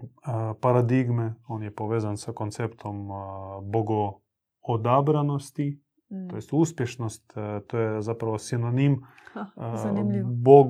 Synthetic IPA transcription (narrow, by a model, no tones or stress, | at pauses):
paɾad̪iɡmeo̞ːnjepo̞ʋeːzansakont̪sept̪ʰomboɡo | od̪abɾano̞st̪i | t̪ojest̪uːspjeʃnost̪t̪oːjezapɾaʋosinonim | bo